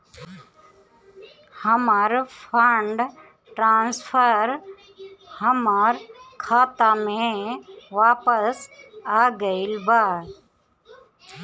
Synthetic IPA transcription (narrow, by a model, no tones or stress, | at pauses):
həmaːɾpʰaɳɖ | ʈɾaːnspʰəɾ | həmaːɾkʰaːt̪amẽ | ʋaːpəsaːɡəɪlbaːd